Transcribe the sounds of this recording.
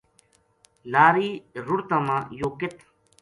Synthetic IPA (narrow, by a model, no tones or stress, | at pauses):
laːɾiːɾʊɽt̪ãːmãːjoːkɪt̪ʰ